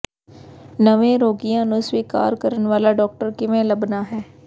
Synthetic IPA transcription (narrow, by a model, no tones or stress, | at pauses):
nəʋẽːɾoːɡijãːnũsʋiːka̰ːɾkəɾənʋaːlaːɖɔːk̚ʈəɾkɪʋẽːləbnaːɦɛː